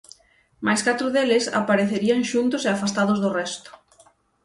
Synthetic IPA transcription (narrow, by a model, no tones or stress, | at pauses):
majskat̪ɾʊðelɪsa̰paɾeθeɾiaŋʃunt̪ʊseafast̪aðʊzðʊrɛst̪ʊ̥